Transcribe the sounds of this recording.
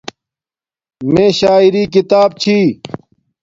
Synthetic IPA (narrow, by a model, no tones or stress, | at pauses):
mẽːɕaːiɾiːkit̪aːb̚t͡ɕʰiː